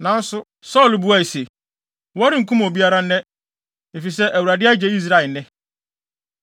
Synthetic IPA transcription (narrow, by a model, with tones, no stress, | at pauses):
nã˨n̩˦sʊ˦ | sɔ˦˨lbu˨˦a˦i˨se˨ | wɔ˦ɾɪ˦ŋ̩˨kʰũ˦mo˨bi˦a˦ɾa˦nɛ̃˦ | e˨fi˨sɛ˦ʔæ˨wu˨ɾa˨dɪ˦a˦d͡ʑɛ˦i˦s̬ɾa˦˨ɛ˨nɛ̃˦